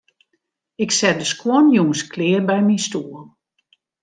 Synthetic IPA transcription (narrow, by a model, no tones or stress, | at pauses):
ɪksɛt̚dəskʰwɔnjuŋsklɪːrbɛjminstuːəlˠ